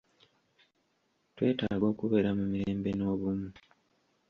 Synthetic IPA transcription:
twe̞ːtaːɡo̞ːkuβe̞ːɾamumiɾeːmbe̞no̞ːβumu

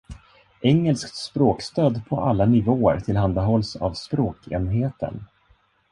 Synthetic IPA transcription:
ɛŋːəlskt̪spɾoːkst̪øːd̪pʰɔ̰ʔalːanɪvoːə̰ɾt̪ʰɪlɦand̪aɦɔlsa̰vspɾoːkʰḛːnɦeːt̪ʰə̰n

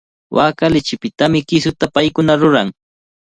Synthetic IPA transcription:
wʔaːkalɪt͡ʃɪpɪt̪amɪkɪsʊt̪apajkʊnaɾʊɾaŋ

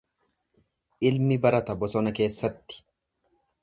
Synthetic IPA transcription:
ʔɪlmɪbɐɾɐt̪ɐbɔsɔnɐke̞ːsːɐt̪ːɪ̥

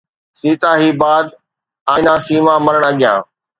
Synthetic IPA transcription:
siːt̪aːɦiːbaːd̪ | ãːnãːsiːmãməɾəɽ̃aɠɪjã̰ː

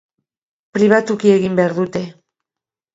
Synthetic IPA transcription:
pɾiβ̞at̪ukie̞ɣimbe̞aɾðut̪e̞

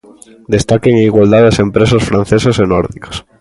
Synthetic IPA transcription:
d̪est̪akeŋiɣwald̪aðasempɾesosfɾãn̟θesosenɔɾðiko̥s

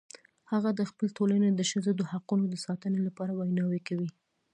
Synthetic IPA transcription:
haɣad̪əxpəlʈolaned̪əʃəzod̪əhaqunod̪əsɑt̪ənelapɑɾawajnɑwekawi

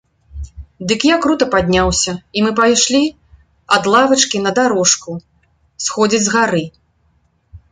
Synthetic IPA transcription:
d̪ɨkjakɾut̪ɐpad̪ʲnʲawsʲɐimɨpajʂlʲi | ɐd̪lˠavɐt͡ʂkʲinɐd̪aɾɔʂku | sxɔd͡zʲid͡zʲzɣaɾɨ

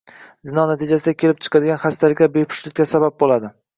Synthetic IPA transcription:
zɪnɒnat̪ʰɪd͡ʒasɪd̪akʲʰe̞lɪp̚t͡ʃʰɨ̥qʰɑd̪ɪɡʲanχast̪alɪkʲlabejpʰʊ̥ʃlɪt̪̚ʲkʲasabap̚bolad̪ɪ

